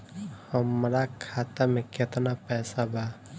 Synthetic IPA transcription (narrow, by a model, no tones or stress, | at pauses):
həmɾakʰaːt̪amẽket̪napɛːsabʱa